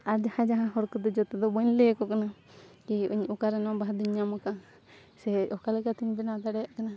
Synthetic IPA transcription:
aɾd͡ʒahãd͡ʒaɦãɦɔɾkɔd̪ɔd͡ʒɔt̪ɛd̪ɔbɔɲlɛkɔkana | kiuɲukaɾɛnabaɦad̪uɲːamɔka | sɛɔkalɛkat̪iɲbɛnad̪aɽɛjaʔkana

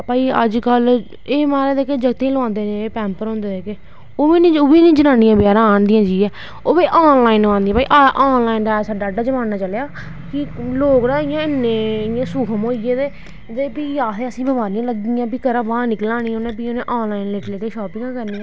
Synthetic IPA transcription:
paːiːə̰d͡ʒkəl | eːmaːɾeːd̪eːkeːd͡ʒəɡt̪ẽləãːnd̪eːnẽːpɛ̃ːmpəɾɦõːnd̪eːeːkeː | oːiːnĩːʊʋiːnĩːd͡ʒənãːnĩjãːbɪjaːɾãːnd̪ɪjãːd͡ʒiːɛː | oːʋeːʔaːnlaːinʋãːnd̪iːãpaːḭːʔaʔɔːnlaːind̪aːɛːsaːɖaːɖaːd͡ʒəmãːnaːt͡ʃəlejaː | kɪloːknãːɪjãːɪnẽːɪjãːsuːkʰəmoːiɡeːd̪eː | d͡ʒəpiːjaːt̪ʰeːəsĩːbəʋaːɾiãːləɡd̪ɪːjãːpiːkəɾãːbaːnɪklãːniːonẽːp̬iːonẽːʔaːnlaːinleːʈleːkeːʃɔːpɪ̃ŋɡãːkəɾniːãː

